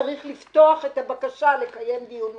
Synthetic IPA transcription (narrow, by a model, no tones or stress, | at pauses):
aʁiχlift̪oaχe̞tabakaʃale̞kaje̞md̪ijun